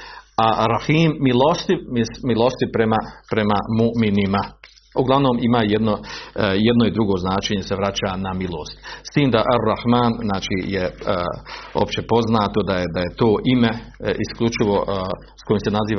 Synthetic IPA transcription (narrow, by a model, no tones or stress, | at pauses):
aɾɑhiːmːilost̪imismilost̪ipɾemapɾe̞mamuʔminima | uɡlˠaʋno̞ːmimaːjed̪nojed̪noid̪ɾuɡo̞ːznaːt͡ʃeɲe̞se̞ʋɾat͡ɕaːnamilˠo̞ːst̪st̪iːmd̪aʔarːahmaːnznaːt͡ʃije | o̰pt͡ɕe̞po̞znaːt̪o̞d̪ajed̪aje̞t̪o̞ːʔime̞iskʎʲut͡ʃiʋo̞ʔ | sko̞jiːmse̞naziːʋa